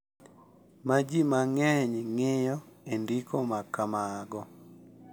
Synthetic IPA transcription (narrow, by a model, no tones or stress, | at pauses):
mad͡ʒimaŋɛɲŋeɪjɔendikomakamaɡɔ